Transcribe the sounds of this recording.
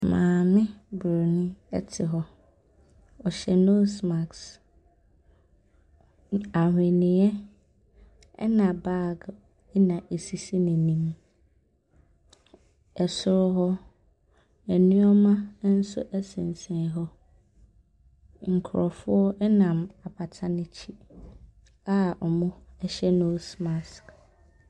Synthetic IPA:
mãː˨mɪ̃˦bɾo˨nʊ̃˦ɛ̰˦tʰɪ˨ɦɔ˦ | ɔ˨ɕɛ˨no˦sma˨ks | a˨hɪ̃˨nɪ̃˨ɛ˦ | ɛ̰˦nã˨ba˦˨ɡ | nã˨ʔe˨si˨si˦nɪ̃˨nĩ˦m | ɛ˨sʊ˦ɾʊ˦ɦɔ˦ | ɛ˨nʊ̃˦ɔ˦mã˦n̩˦sʊ̰˦ʔæ˦sɪ̃˨n˨sɛ̃˨˦ɦɔ˦ | ŋ̩˨kʰʊ˨ɾɔ˨fʊ˦ɔ˦ʔɛ˦nã˨ma˨pʰa˨tʰa˦nɪ̃˦t͡ɕʰi˦ | a˦ɔ˨mʊ̃˦ɛ˦ɕɛ˦nõ˦sma˨sk

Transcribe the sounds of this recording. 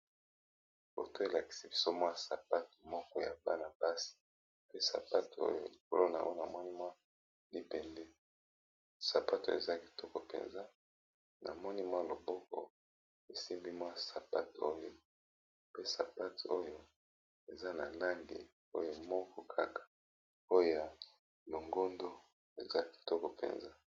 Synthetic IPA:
bo̰˨to˦e˨la˨ki̥˨si˦fi̥˦˨so˦mwa˦˨sa˨pa˦to̥˨mɔ˦kɔ˦ja˨ba˦na˨pa˦si̥˨ | pe˦sa̰˨pa˦to̰˦jo̰˦li˨k̚o˦lo˦na̰˨ʔo˦na˨mɔ˦ni˦mwa˦ | li˦pɛ˨ndɛ˦ | sa˨pa˦to̰˨ḛ˨za˦ki̥˨tɔ˦kɔ˨pḛ˨nza˦ | na̰˨mɔ˦ni˦mwa˦lo˨bɔ˦kɔ̰˨ | e˨si˦mbi˦mwa˦sa˨pa˦to˦jo˦ | pe˦sa˨pa˦to˦jo˦ | e˨za˦na˨la˦ŋɡe˨ | o˦jo˦mɔ˦kʰɔ˦kʰa˦kḁ˨ | o˦jo˦ja˨ | lo˨ŋɡo˦ndo˦ | e˨za˦ki̥˨tɔ˦kɔ˨pḛ˨nza˦

